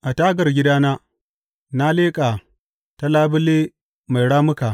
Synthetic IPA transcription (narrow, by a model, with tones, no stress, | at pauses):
ʔa˨taː˦ɡɐ˨rɡʲɪ˦daː˦naː˦ | na˦leː˦kʼaː˨ | ta˦laː˦bɪ˦le˦ | ma˨jɽaː˦mʊ˦ka˨